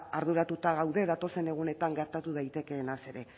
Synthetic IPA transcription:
aɾðuɾat̪ut̪aɣ̞awðe̞ðat̪o̞se̞ne̞ɣ̞une̞t̪aŋɡe̞ɾt̪at̪uð̞ajt̪e̞ke̞ːnase̞ɾe̞

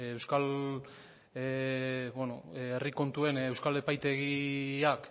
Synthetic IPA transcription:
ewskal | bonoeriko̞nt̪ue̞newskale̞pajt̪e̞ɣiak

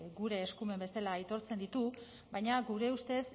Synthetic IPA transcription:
ɡuɾe̞ːskume̞mbe̞salait̪o̞ɾt͡se̞nd̪it̪u | bajɲaɡuɾe̞ust̪e̞s

